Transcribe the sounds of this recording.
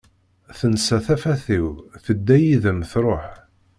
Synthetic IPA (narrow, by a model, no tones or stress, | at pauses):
θənsæθæfæθiwθəd̪ːæjiðəmθɾˤoħ